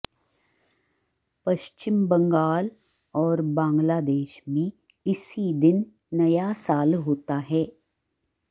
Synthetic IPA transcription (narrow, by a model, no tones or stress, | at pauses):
pɐʃt͡ʃɪmbɐ̃ŋɡaːl | ɔːɾbãːŋɡlaːd̪eːʃbʱi | ɪsid̪ɪnː | ɐjasaːlɦoːt̪aɦɛː